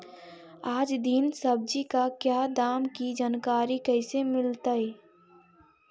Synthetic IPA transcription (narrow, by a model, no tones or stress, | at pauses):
aːd͡ʒd̪insəb̚d͡ʒikakjaːd̪aːmkid͡ʒankaːɾikɛɪsemɪlt̪ai